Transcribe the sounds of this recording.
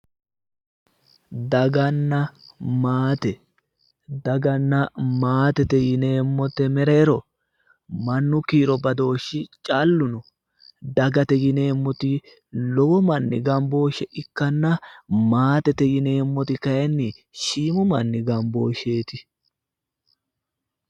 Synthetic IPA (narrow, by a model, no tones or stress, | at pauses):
d̪ɐɡɐnːɐmaːt̪ɛ | d̪ɐɡɐnːɐmaːt̪ɛt̪ɛjɪneːmːɔt̪ːɛmɛɾeːɾɔ | mɐnːʊkiːɾɔbɐd̪o̞ːʃːɪt͡ʃʼɐlːʊnʊ | d̪ɐɡɐt̪ɛjɪne̞ːmːɔt̪ɪ | lɔwɔmɐnːɪ̰ɡɐmbo̞ːʃɛʔɪkːɐnːɐmaːt̪ɛt̪ɛjɪne̞ːmːɔt̪ɪkɐjɛnːɪʃiːmʊmɐnːɪɡɐmbo̞ːʃe̞ːt̪ɪ